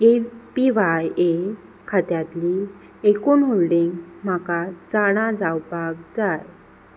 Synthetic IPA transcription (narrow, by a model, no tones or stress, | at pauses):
epiʋaje | kʰat̪jat̪li | ekuːnɦolɖiŋɡm̤akat͡saɽ̃ãd͡zawpakd͡zaj